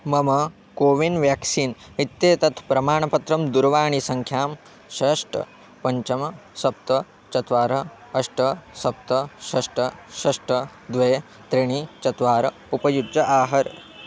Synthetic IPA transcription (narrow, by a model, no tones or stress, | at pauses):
mɐmɐ | koːʋinʋjaːksiːn | it̪ːeːt̪ɐt̪ʰpɾɐmaːɳɐpɐt̪ɾɐmd̪uɾʋaːɳisɐŋkʰjaːm | ʃeːʂʈɐ̰ | pɐɲt͡ʃɐmɐsɐp̚t̪ɐ | t͡ʃɐt̪ʋaːɾɐ | ɐʂʈɐsɐp̚t̪ɐʃɐʂʈɐʃɐʂʈɐ | d̪ʋeː | t̪ɾiɳ̃it͡ʃɐt̪ʋaːɾɐ | upɐjudd͡ʒɐʔaːɦɐɾ